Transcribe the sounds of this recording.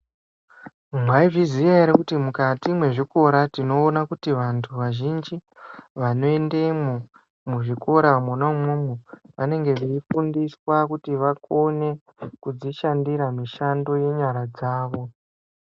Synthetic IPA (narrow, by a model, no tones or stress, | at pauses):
mwaiʐizijaeɾekutimukatimwe̞ʐiko̞ɾatino̞ːnakutiʋantʰuʋaʒind͡ʒi | ʋano̞endemu | muʐiko̞ɾamunomwumuʋane̞ŋɡe̞ʋeifundiswakutiʋako̞ne̞ | kud͡ziʃandiɾamiʃando̞je̞ɲaɾad͡zaːʋo̞